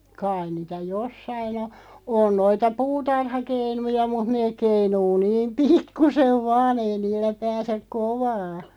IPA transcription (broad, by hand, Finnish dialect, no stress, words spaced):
kɑin̆ niːtæ josːɑin o on noitɑ puːtɑrhɑkeinujɑ mut neːk̆ keinuː niːm pikːuseʋ ʋɑːn ei niːlːæ pæːsek koʋɑː